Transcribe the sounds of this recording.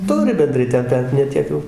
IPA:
ˈtʊrʲɪ bʲɛnˈdrɐɪ ˈtʲɛn ˈbʲɛt nʲɛ ˈtʲiɛk jɛʊ

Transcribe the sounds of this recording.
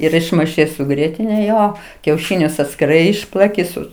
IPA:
ɪr ɪʃmɐɪˈʃɐɪ sʊ ˈɡrʲiɛtʲɪnʲɛ ˈjoː kʲɛʊˈʃʲɪnʲʊs ɐtʲsʲkʲɪˈrɐɪ ˈɪʃplˠɐkʲɪ ˈsʊ

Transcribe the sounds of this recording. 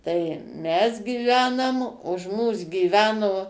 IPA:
tɐɪ ˈmʲɛs ɡʲiːˈʋʲæːnɐm ʊʃ ˈmuːs ɡʲiːˈʋʲæːnoː

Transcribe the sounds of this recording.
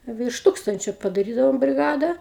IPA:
ʋʲɪrʃ ˈtuːkstɐnʲt͡ʃʲoː pɐdɐˈrʲiːdɐʋoːm bʲrʲɪˈɡɑːdɐ

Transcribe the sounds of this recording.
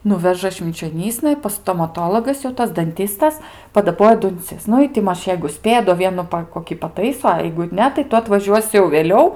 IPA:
ˈnʊʋʲɛʒɐ ʃʲʋʲɪnʲt͡ʃʲoːˈnʲiːsnɐ ˈɪ pɐs stoːmɐˈtoːlˠoːɡɐs jɛʊ ˈtɐs dɐnʲˈtʲiːstɐs pɐdɐˈboːjɛ dʊnʲˈt͡sʲɪs ˈnʊ ɪ tʲɪ ˈmɐʃ jɛɪɡʊ ˈsʲpʲeːjɛ doː ˈʋʲiɛnʊ ˈpɐ koːˈkʲiː pɐˈtɐɪsoː ɐ jɛɪɡʊ ˈnʲɛ tɐɪ ˈtʊ ɐtʋɐˈʒʲuɔsʲɪ jɛʊ ʋʲeːˈlʲɛʊ

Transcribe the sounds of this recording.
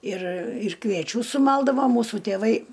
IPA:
ɪr ɪr kʋʲiɛˈt͡ʃʲuː sʊˈmɐlˠdɐʋoː ˈmuːsʊ tʲeːˈʋɐɪ

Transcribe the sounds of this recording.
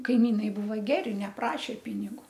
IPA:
kɐɪˈmʲiːnɐɪ ˈbuːʋɐ ˈɡʲæːrʲɪ nʲɛˈprɑːʃʲeː ˈpʲɪnʲɪɡʊ

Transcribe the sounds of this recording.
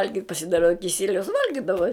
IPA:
ˈʋɐlʲɡʲɪtʲ pɐsʲɪˈdɑːrɐ kʲɪˈsʲiɛlʲɛʊs ˈʋɐlʲɡʲɪdɐʋɐ

